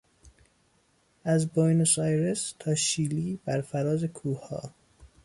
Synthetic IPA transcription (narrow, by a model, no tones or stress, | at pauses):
æzbojnosɑjɾest̪ʰɒːʃiːliːbæɾfæɾɒːzekʰuːhɒ̰ː